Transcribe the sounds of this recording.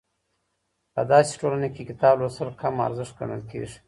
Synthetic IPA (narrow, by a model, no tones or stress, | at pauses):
pəd̪ɑse̥ʈolanekekɪt̪ɑblosəlkʰama̰ɾzɪʂt̪̚ɡa̰ɳə̰lkḛʐi̥